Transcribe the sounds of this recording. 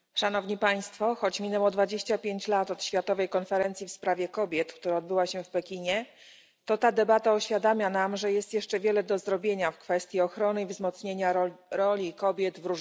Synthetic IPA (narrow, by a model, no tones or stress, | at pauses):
ʂanɔvɲipaj̃st̪fɔxɔt͡ɕmʲinɛwɔd̪vad͡ʑeɕt͡ɕapʲjeɲt͡ɕlat̪ɔt̪ɕfʲjat̪ɔvɛjkɔnfɛɾɛnt̪sʲifspɾavʲjɛkɔbʲjɛt̪kt̪uɾaɔd̪bɘwaɕɛfpɛkʲiɲɛ | t̪ɔt̪ad̪ɛbat̪aɔɕfʲjad̪amʲjanamʐɛjɛst̪jɛʂt͡ʂɛvʲjɛlɛd̪ɔzɾɔbʲjeɲafkfɛst̪ʲjiɔxɾɔnɘivzmɔt̪sɲeɲaɾɔlʲikɔbʲjɛd̪vɾuʐ